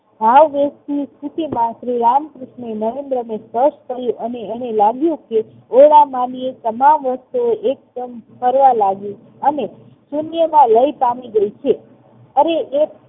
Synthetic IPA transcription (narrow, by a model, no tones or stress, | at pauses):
ɦaʋʋest̪ist̪ʰut̪imãsɾiɾamkɾɪʃmenəʋẽnd̪ɾəmespəʃt̪ʰəɦjũʔəneɛnelaɡjũke | oɭamãniet̪əmamʋəst̪uoek̚d̪əmpəɾʋalaɡjũ | əne | sunjəmãləipamiɡəit͡ʃʰe | əɾeʔe